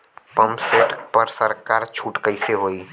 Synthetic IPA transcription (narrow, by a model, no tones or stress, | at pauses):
pəmseʈpəɾsəɾkaːɾt͡ʃʰuːʈkəɪseɦoːiː